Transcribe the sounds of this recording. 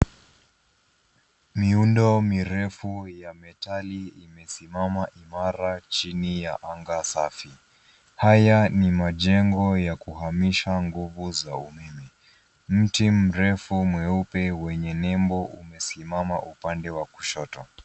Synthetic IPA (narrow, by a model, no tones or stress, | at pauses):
miundɔmiɾɛfujamɛtaliimɛsimamaʔimaɾat͡ʃinijaʔaŋɡasafi | hajanimaʄɛŋɡɔjakuɦamiʃaŋɡuvuzaumɛmɛ | m̩tim̩ɾɛfumwɛupɛwɛɲɛnɛmbɔʔumɛsimamaʔupandɛwaku̥ʃɔtɔ